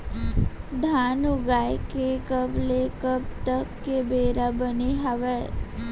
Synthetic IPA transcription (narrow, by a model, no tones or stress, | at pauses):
d̪ʱanuɡajkekəblekəb̚t̪əkːebeɾabəneɦaʋe